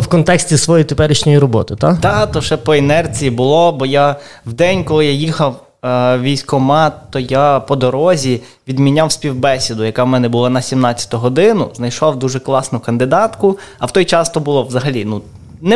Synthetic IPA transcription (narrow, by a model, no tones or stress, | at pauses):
wkɔnt̪ɛksʲtʲisʋɔjit̪epɛɾɪʃnʲɔjiɾɔbɔt̪ɪt̪at̪ɑt̪ɔʃɛpɔɛnɛrt͡sʲijibʊlˠɔbɔjawd̪ɛnʲkɔlˠɪjajixɐw | ʋʲijsʲkɔmɑt̪ɔjapɔd̪ɔɾɔzʲi | ʋʲid̪mʲinʲawsʲpʲiwbɛsʲid̪ʊjɐkawmɛnɛbʊlˠanɐsʲimnɑt͡sʲːɐ̥t̪ʊɦɔd̪ɪnʊznɐjʃɔwd̪uʒɛklˠɑsnʊkɐnd̪ɪd̪ɑt̪kʊɐwt̪ɔjt͡ʃɑst̪ɔbʊlˠɔʋzɐɦɐlʲinu | nɛ